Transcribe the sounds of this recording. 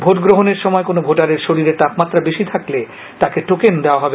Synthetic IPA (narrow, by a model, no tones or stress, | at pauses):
bʱoʈɡɾoɦoneɾʃɔmɔekonobʱoʈaɾeɾʃoɾiɾeɾt̪apmat̪ːɾabeʃit̪ʰakle | t̪akeʈokend̪eoaɦɔbe